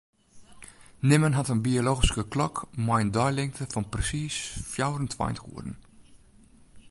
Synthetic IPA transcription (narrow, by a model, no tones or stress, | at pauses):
nɪmənɦatənbioloːɣiskəklɔkmɔjəndɔjlɪŋtəfɔnprɛsiːsfjawɾəntʋa̰jntɣṵədn̩